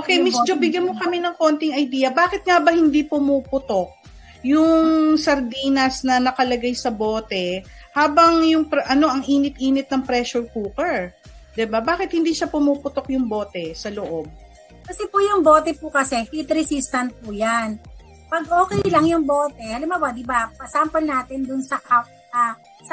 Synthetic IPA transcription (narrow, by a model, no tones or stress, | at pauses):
ʔokɛjmɛssd͡ʒobɪɡjɐnmokɐmɛnɐŋko̞nt̪ɪŋɐjd̪iːjɐbaːkɪt̪̚ŋabɐhɪnd̪ipʊmuːpʊt̪ok̚ | jʊŋsɐɾd̪iːnɐsnɐnɐkɐlɐɡajsɐbo̞ːt̪ɛhaːbɐŋjʊŋpɛʔɐno̞ʔɐŋʔiːnɪt̪̚ʔiːnɪt̪̚nɐŋpɾɛʃʊɹkuːkɛɹd̪ɪbabaːkɪt̪̚hɪnd̪iːʃapʊmuːpʊt̪ok̚jʊŋbo̞ːt̪ɛsɐloʔob̚ | kɐsɛpʊjʊŋboːt̪ɛpʊkɐsɛhit̪ɾɛsist̪ɐnt̪̚pʊjan | pɐɡ̚ʔo̞ːkɛjlɐŋjʊŋboːt̪ɛɐlɐmabad̪ɪbapɐsampɐlnaːt̪ɪnd̪ʊnsɐʔap̚t̪a | s